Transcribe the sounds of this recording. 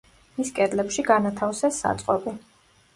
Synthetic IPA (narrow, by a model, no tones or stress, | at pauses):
miskʼɛd̪lɛpʃiɡanat̪ʰafsɛsːa̰t̪sʼqʼɔbʼi